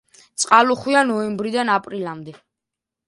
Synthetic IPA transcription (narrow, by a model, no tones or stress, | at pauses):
t̪sʼqʼaluχwianɔɛmbɾid̪anapʼɾilamd̪ɛ